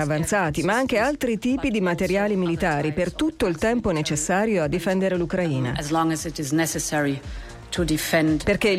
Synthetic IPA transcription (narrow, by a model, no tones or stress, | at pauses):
avant̪saːt̪imaaŋk̟ealt̪ɾit̪iːpid̪imat̪eɾjaːlimilit̪aːɾipert̪ut̪ːoilt̪ɛmponet͡ʃesːaːɾjoad̪ːifɛnd̪eɾelukɾaiːna̰ʔɨzlɔ̃ŋəzɪtɪznɛsɨsɛɹi | tʰudɪfɛ̃ndperke